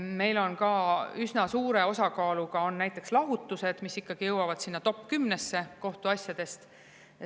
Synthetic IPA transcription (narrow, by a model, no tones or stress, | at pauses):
me̞jlo̞nkɑysnɑsuːɾe̞o̞sɑkɑːluɡɑo̞nːæjt̪ːˑe̞kslɑɦut̪ːˑuse̞d̪̥misikːɑɡ̥ijɤwɑvɑd̪̥sinːɑt̪o̞pːˑkymnesːe̞ko̞ht̪uɑsʲjɑd̪̥e̞st̪